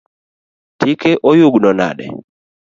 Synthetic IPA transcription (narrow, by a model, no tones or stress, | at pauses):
tikeʔojuɡnɔna̰ɗɛ̰